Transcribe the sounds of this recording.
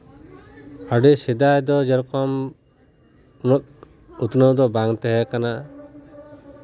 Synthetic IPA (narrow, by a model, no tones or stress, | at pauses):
əɖisid̪ajd̪ɔd͡ʒɛɾɔkɔm | nɔt̪̚ | ut̪nəwd̪ɔbaŋt̪ɛɦɛkana